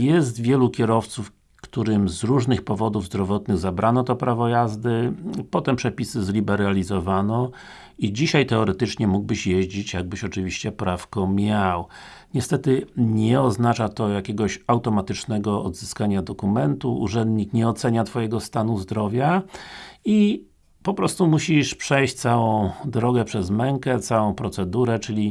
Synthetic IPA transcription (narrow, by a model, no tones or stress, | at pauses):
jɛst̪vʲjɛlukʲɛɾɔft̪suf | kt̪uɾɘmzɾuʐnɘxpɔvɔd̪uvzd̪ɾɔvɔt̪nɘɣzabɾʔanɔt̪ɔpɾavɔjazd̪ɘpɔt̪ɛmpʂɛpʲisɘzlʲibɛɾalʲizɔvanɔ | id͡ʑiɕajt̪ɛɔɾɛt̪ɘt͡ʂɲɛmuɡ̚bɘɕjɛʑd͡ʑit͡ɕjaɡ̚bɘɕɔt͡ʂɘvʲiɕt͡ɕɛpɾafkɔmʲjawɲɛst̪ɛt̪ɘɲɛɔznat͡ʂat̪ɔjakʲɛɡɔɕawt̪ɔmat̪ɘt͡ʂnɛɡɔɔ̰d̪zɘskaɲad̪ɔkumɛnt̪uṵʐɛnd̪ɲikɲɛɔt̪sɛɲat̪fɔjɛɡɔst̪anuzd̪ɾɔvʲja | i | pɔpɾɔst̪umuɕiʂpʂɛjt͡ɕt̪sawɔ̃w̃d̪ɾɔɡɛpʂɛzmɛŋkɛt̪sawɔ̃w̃pɾɔt̪sɛd̪uɾɛt͡ʂɘlʲi